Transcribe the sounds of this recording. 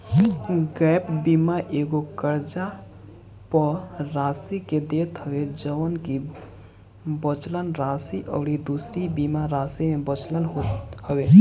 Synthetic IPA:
ɡɛpbimaʔeɡokəɾd͡ʒa | pəɾasiked̪et̪ɦəbed͡ʒəʋənki | bət͡ʃlənɾasiʔɔ̰ʊɾid̪usɾibimaɾasimebət͡ʃlənɦot̪həbe

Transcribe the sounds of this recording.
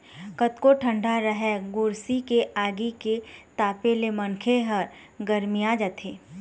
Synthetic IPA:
kət̪koʈʰə̃ɳɖʱaɾəɦɛɡʊɾsikeʔaːɡiket̪aːpelemənkʰeɦɐɾ | ɡəɾmijad͡ʒət̪ʰeː

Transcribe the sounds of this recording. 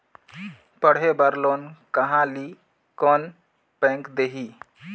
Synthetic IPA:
pəɽ̤ɦebəɾloːnkəɦãli | kɔːn | pɛ̃ːŋkd̪eɦi

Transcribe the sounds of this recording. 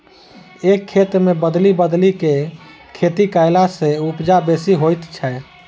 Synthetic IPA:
ekʰːet̪mebəd̪libəd̪like | kʰet̪ikaɪlasẽupd͡ʒabesiɦojt̪t͡ʃʰɛ

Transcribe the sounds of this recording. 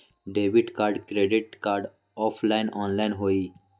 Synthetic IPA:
ɖeːʋiʈkaːɾɖkɾeːɖɪʈ̚kaːɾɖ | ɔːpʰlaːɪnɔːnlaːɪnɦoːiː

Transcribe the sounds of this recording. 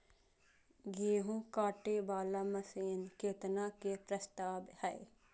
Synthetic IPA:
ɡeːɦũkaːʈebaːlamɐseːnkeːt̪naːkepɾəst̪aːbhɛe

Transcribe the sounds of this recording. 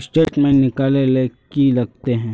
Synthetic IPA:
sʈeːʈmẽnɪkaːlelekilɐɡ̚t̪eɦɛ̃ː

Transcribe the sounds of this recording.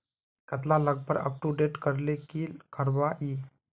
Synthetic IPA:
kət̪laləɡ̚pəɾə̰p̚ʈuɖeʈkəɾlekiːlkʰəɾʋaʔi

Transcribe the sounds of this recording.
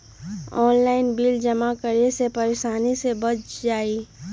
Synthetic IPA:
ɔːnlaːɪnbiːld͡ʒəmakəɾesepəɾeʃaːnisebət͡ʃʰd͡ʒaːi

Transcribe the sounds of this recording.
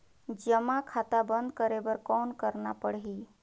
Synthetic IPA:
d͡ʒəmakʰat̪abənd̪kəɾebəɾkɔnkəɾnapəɽɦi

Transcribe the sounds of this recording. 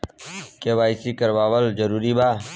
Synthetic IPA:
keːʋaːɪsiːkəɾʋaːʋəld͡ʒəɾuːɾiːbaː

